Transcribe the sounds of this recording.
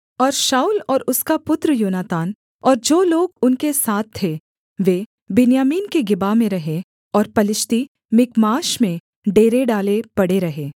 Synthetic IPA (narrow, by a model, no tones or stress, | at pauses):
ɔːɾʃaːulɔːɾʊskapʊt̪ɾəjoːnaːt̪aːn | ɔːɾd͡ʒoːloːɡʊnkesaːt̪ʰːe | ʋeː | bɪnjaːmiːnkeɡɪbamẽɾɐɦe | ɔːɾpɐlɪʃt̪i | mɪkmaːʃmẽ | ɖeːɾeɖaːlepɐɽeɾɐɦeː